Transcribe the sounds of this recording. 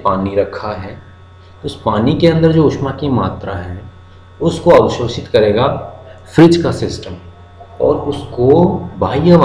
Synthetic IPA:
paːniɾɐkʰaɦɛː | t̪oɪspaːnikeɐ̃nd̪əɾd͡ʒoːʃmakimaːt̪ɾaɦɛː | ʊskoɐʋʃoːʃɪt̪kɐɾeːɡa | fɾɪd͡ʒkasɪsʈəm | ɔ̰ːɾʊskobʱaːijəʋ

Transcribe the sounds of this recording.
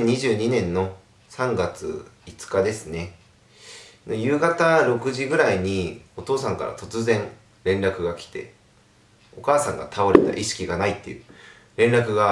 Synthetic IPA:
ɲ̟iʑɨːɲ̟inẽ̞nːo̞ | sãŋɡat͡sɨ̰it͡sɨ̥kad̪e̞sɨne̞ | nojɯ̟ːɡat̪aɾo̞kɯ̟ʑiɡɯ̟ɾaiɲ̟io̞t̪o̞ːsãŋka̰ɾa̰t̪o̞t͡sɨzẽ̞ŋ | ɾẽ̞nɾakɯ̟ɡakʲi̥t̪e̞̰ | o̞kaːsãŋɡa̰t̪ʰao̞ɾe̞̰t̪a̰ʔiɕi̥kʲiɡanait̪ːejɯ̟ | ɾẽ̞nɾakɯ̟ɡa

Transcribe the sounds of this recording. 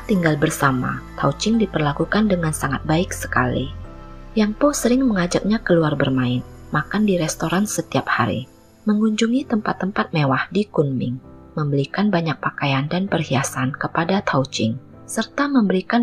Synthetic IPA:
t̪iŋɡalbərsama̰t̪ʰa̰ut͡ʃɪŋdipərlakukandəŋansaŋat̪̚baɪksə̥kalḭ | jaŋposəɾɪŋməŋad͡ʒak̚ɲakəluarbərmaɪnmakandiɾɛst̪oɾansət̪iap̚ha̰ɾḭ | məŋuɲd͡ʒuŋit̪əmpat̪ːəmpat̪̚mewahdikunmɪ̰ŋ | məmbəɾikanbaɲak̚pakajandanpərhiasankəpadat̪ʰaut͡ʃɪŋ | sərt̪aməmbəɾikan

